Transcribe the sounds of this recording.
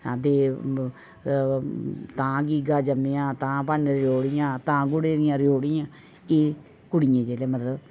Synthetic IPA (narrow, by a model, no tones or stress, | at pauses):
ad̪eː | t̪ãːɡiːɡaːd͡ʒəmẽːãːt̪ãːpənɾɪoːɽɪjãːt̪ãːɡʊɽeːɾɪjãːɾɪjoːɽɪjãː | eː | kʊɽɪjẽːd͡ʒeːleːmət̪ləb